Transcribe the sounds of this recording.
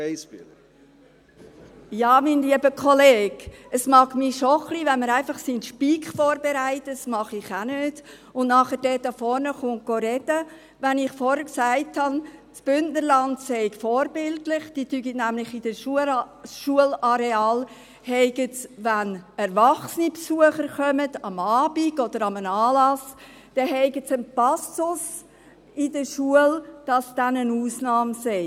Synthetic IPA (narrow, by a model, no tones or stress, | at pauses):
sɪ | jɑːminliəbəkʰχɔleːɡəsmɑːɡmiʃɔχliʋɛnməɾæɪfɑχsinʃpiːkχfɔːɾbeɾæɪtətsmɑχɪχanøːd̥ | ʊnnɑχəɾdɛtɑfɔɾnəχʊnɡ̥oɾɛd̥ə | ʋænɪχfɔɾhəksæɪthɑnsb̥ʏnʔnəɾlɑntsɛɪkfɔːɾbɪltlɪχd̥ityɡitnæmlɪχid̥əʃ | ʃuəlɑɾeɑːl | hɛɪɡət͡sʋænɛɾvɑχsənipsuəχəɾχœmədɑmɑːb̥iɡ̥ɔd̥əɾɑmənɑːlɑs | d̥ɛɦɛɪɡəsənpɑsʊs | ɪd̥əʃuəld̥ɑsd̥ænənuːsnɑːmsɛɪ